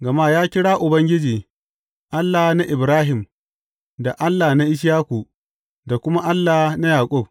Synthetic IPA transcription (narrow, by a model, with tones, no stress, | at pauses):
ɡɐ˨maː˦jaː˦kʲɪ˦ɽaː˦ʔʊ˨bɐ˦ŋɡʲɪ˦d͡ʒiː˨ | ʔa˦lːaː˨na˦ʔɪ˨bɾaː˦ɦɪ˨m | da˨ʔa˦lːa˨na˦ʔɪ˦ʃ̬jaː˦kʷu˨ | da˨kʷʊ˦ma˦ʔa˦lːaː˨na˦jaː˨kʷʼʊ˦˨b̚